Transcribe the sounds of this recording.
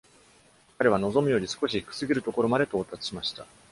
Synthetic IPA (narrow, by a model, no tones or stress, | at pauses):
kaɾe̞βano̞zo̞mɯ̟jo̞ɾʲisɨ̥ko̞ɕi̥kɯ̟̥sɨɡʲiɾɯ̟t̪o̞ko̞ɾo̞mad̪e̞t̪o̞ːt̪at͡sɨ̥ɕimaɕi̥t̪a